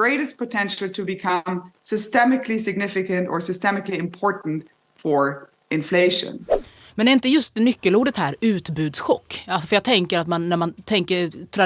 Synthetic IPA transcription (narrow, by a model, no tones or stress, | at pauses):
ɹeɪɾɨs̚pʰətʰɛ̃nʃl̩ˠtʰɨbɨkʰʌmsɨstɛmɨkʰlisɨɡ̚nɪfɨkɨ̃ntə˞sɨstɛmɨkliɨ̃mpʰɔɹʔn̩t | fə˞ | ɪ̃nfleɪʃə̰̃n | mɛnæɾɪnt̪əjɵst̪̚nʏkːəluːɖət̪hæːɾʉ̟ːt̪bʉ̟ːd̪sɧɔkːalsɔ̥fœɾjɑːɡ̚t̪ʰɛŋkəɾat̪manːæɾmant̪ʰɛŋkət̪ʰɾa